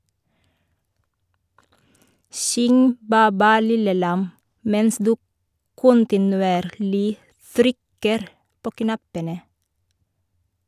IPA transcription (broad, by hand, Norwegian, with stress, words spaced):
ˈsʏŋ ˈbæː ˈbæː ˈlɪlə ˈlɑm ˈmɛns ˈdʉː ˈkʊntɪnʉˌeːɾlɪ ˈtɾʏkəɾ ˈpoː ˈknɑpənə